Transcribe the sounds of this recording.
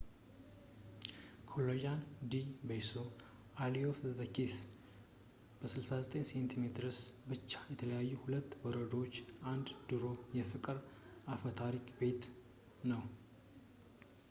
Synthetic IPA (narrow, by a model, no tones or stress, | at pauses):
kʰolojand̪ibejso | alijofzəkis | b̥əsɨlsazət̪ʼeɲse̞nt̪ʰimet̪ʰɨɾɨsbɨt͡ʃːḁjɛt̪ʰələjajːuhulət̪ːwɔɾəd̪ot͡ʃːand̪d̪ɨɾo̞jɛfɨkʼɨɾafət̪ʰaɾikʼbe̞t̪ | nəw